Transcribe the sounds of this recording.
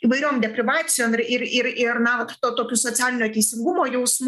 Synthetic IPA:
iːʋɐɪɾʲoːmd̪ʲɛpʲɾʲɪʋɑːsʲɪjoːmɪrɪrɪɾɪrnɐt̪oːt̪oːkʲʊsoːt͡sʲæːlʲɪnʲoːt̪ʲɛɪsʲɪŋɡʊmoːjɛʊsm

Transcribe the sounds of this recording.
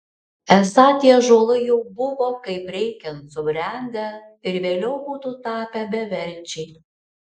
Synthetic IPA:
ɛsɐt̪ʲiɛʒoːlˠɐjɛʊbʊʋoːkɐɪpɾʲɛɪkʲɛnsʊbʲɾʲæˑnʲd̪ʲɛ | ɪɾʋʲeːlʲɛʊbuːt̪ut̪ɑːpʲæbʲɛʋʲɛɾʲt͡ʃʲɛɪ

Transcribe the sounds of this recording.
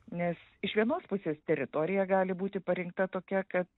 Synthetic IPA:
nʲɛs | ɪʃʋʲiɛnoːspʊsʲeːst̪ʲɛɾʲɪt̪oːɾʲɪjɛɡɑːlʲɪbuːt̪ʲɪpɐɾʲɪŋk̚t̪ɐt̪oːkʲɛkɐt̪̚

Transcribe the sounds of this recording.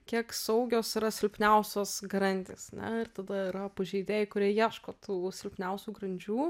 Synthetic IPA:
kʲiɛksɐʊɡʲoːsɪɾɐsʲɪlʲpʲnʲɛʊsʲoːsɡɐɾɐnʲd̪ʲeːsɐnʲɛ̰ɪrt̪ɐd̪ɐɪɾɐpɐʒʲɛɪd̪ʲeːjɛɪkʊɾʲiɛjiɛʃkoːt̪ʰuːsʲɪlʲpʲnʲɛʊsʲuːɡɾɐnʲd͡ʒʲuː

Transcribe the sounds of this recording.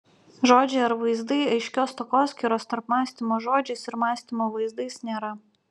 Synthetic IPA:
ʒoːd͡ʒʲeːɐɾʋɐɪzd̪ɐɪɐɪʃʲkʲoːst̪okoːsʲkʲiɾoːst̪ɐɾpmɑːsʲt̪ʲimoːʒoːd͡ʒʲeːsɪɾmɑːsʲt̪ʲimoːʋɐɪzd̪ɐɪsnʲeːɾɐ

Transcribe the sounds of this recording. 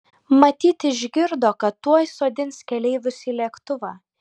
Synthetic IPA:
mɐt̪ʲiːt̪ɪʒʲɡʲɪɾd̪oːkɐt̪ːuɔjsoːd̪ʲɪnskʲɛlʲɛɪʋʲʊsiːlʲiɛkt̪ʊʋɑː

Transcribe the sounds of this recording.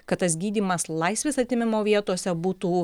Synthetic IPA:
kɐt̪tːɐsɡʲiːd̪ʲiːmɐslˠɐɪsʲʋʲeːsɐt̪ʲɪmʲɪmoːʋʲiɛt̪oːsʲɛbuːt̪uː

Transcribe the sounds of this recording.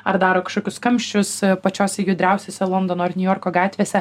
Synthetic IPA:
ɐɾd̪ɑːɾoːkɐʃkoːkʲʊskɐmʲʃʲt͡ʃʲʊspɐt͡ʃʲoːsʲɛjʊd̪ʲɾʲɛʊsʲoːsʲɛlˠɔnd̪oːnoːɐrnʲʊjoːɾkoːɡɑːt̪ʲʋʲeːsʲɛ

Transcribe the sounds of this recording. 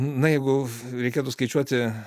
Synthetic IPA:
nɐjɛɪɡʊ | ɾʲɛɪkʲeːt̪ʊskɐɪt͡ʃʲuɔt̪ʲɪ

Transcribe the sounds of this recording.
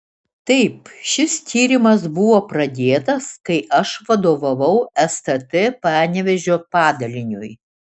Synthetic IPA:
t̪ɐɪpʃʲɪst̪ʲʰiːɾʲɪmɐs̬bʊʋoːpɾɐd̪ʲeːt̪ɐskɐɪʔɐʃʋɐd̪oːʋɐʋɐʊɛst̪ɐt̪ɛpæːɾnʲɛʋʲɛʒʲoːpɑːd̪ɐlʲɪnʲʊj

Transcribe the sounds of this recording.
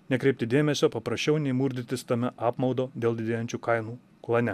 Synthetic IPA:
nʲɛkɾʲɛɪp̚ʲt̪ʲɪd̪ʲeːmʲɛsʲoːpɐpɾɐʃʲt͡ʃʲɛʊnʲɛɪmuɾʲd̪ʲɪt̪ʲɪst̪ɐmʲɛʔɑːpmɒʊd̪oːd̪ʲeːlˠd̪ʲɪd̪ʲeːjɛnʲt͡ʃʲukɐɪnuː | klˠɐnʲɛ

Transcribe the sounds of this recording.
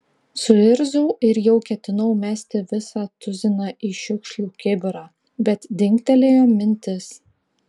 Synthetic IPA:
sʊɪɾzʊʊɪɾjɛʊkʲɛt̪ʲɪnɐʊmʲæːsʲt̪ʲɪʋʲɪsɑːt̪ʊzʲɪnɑːʔiːʃʲʊkʃʲlʲuːkʲɪbʲɪɾɑː | bʲɛt̪d̪ʲɪŋʲkt̪ʲɛlʲeːjoːmʲɪnʲt̪ʲɪs

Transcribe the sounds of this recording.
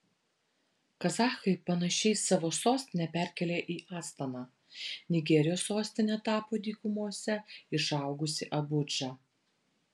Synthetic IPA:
kɐzɑːxɐɪpɐnɐʃʲɛɪsɑʋoːsoːsʲt̪ʲɪnʲɛpʲæˑɾʲkʲɛlʲeːʔiːʔɑːst̪ɐnɑː | nʲɪɡʲɛɾʲɪjoːsːoːsʲt̪ʲɪnʲɛt̪ɑːpoːd̪ʲiːkʊmuɔsʲɛɪʃɑˑʊɡʊsʲɪʔɐbʊd͡ʒɑ

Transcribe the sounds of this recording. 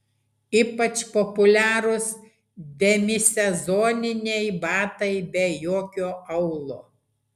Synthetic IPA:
iːpɐt͡ʃpɔpʊlʲæːɾʊs | d̪ʲɛmʲɪsʲɛzɔːnʲɪnʲɛjbɑːt̪ɐɪbʲɛjoːkʲoːɐʊlˠoː

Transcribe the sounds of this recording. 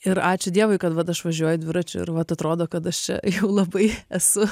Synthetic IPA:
ɪɾɑːt͡ʃʲʊd̪ʲiɛʋʊɪkɐt̪ʋɐt̪ɐʃʋɐʒʲuɔjʊd̪ʲʋʲɪɾɐt͡ʃʲʊɪ̰ɾʋɐt̪ɐt̪ɾoːd̪oːkɐt̪ɐʃt͡ʃʲɛ̰jɛʊlˠɐbɐɪɛsʊ

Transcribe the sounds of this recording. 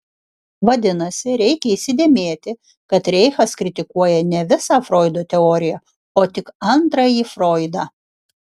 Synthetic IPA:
ʋɐd̪ʲɪnɐsʲɪɾʲɛɪkʲɛiːsʲɪd̪ʲeːmʲeːt̪ʲɪ | kɐt̪ɾʲɛɪxɐskɾʲɪt̪ʲɪkuɔjɛnʲɛʋʲɪsɑːfɾoːɪd̪oːt̪ʲɛɔːɾʲɪjɛ | oːt̪ʲɪkɐnt̪ɾɐjiːfɾoːɪd̪ɑː

